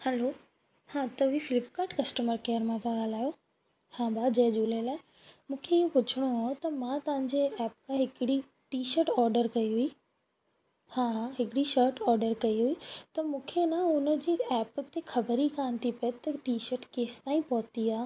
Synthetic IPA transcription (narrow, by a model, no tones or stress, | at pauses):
hɛlo | hãt̪ɐʋifɪlɪpkaːɾʈkɐsʈəməɾkeːəɾmãbʱãɠaːl̤aːjo | hãbʱad͡ʑɐɦd͡ʑuːlelaːɪ | mũːkʰeijopʊt͡ɕʰɪɽ̃oaːot̪ɐmãt̪ɐʋãɲd͡ʑeɛːpkʰãɦɪkɪɽi | ʈiːʃəɾʈɔːɾɖəɾkɐiɦui | hãːɦɪkɪɽiʃəɾʈɔːɾɖəɾkɐiɦuit̪ɐmũːkʰenãʊnəd͡ʑiːɛːpt̪exʰɐbəɾikaːnt̪ʰipɐt̪ɐʈiːʃəɾʈkeːst̪aːĩpɔɦʊt̪iaː